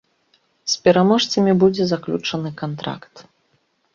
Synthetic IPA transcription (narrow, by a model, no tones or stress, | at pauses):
spʲɛɾamɔʂt̪sɐmʲibud͡zʲɛzaklʲut͡ʂɐnɨkant̪ɾa̰kt̪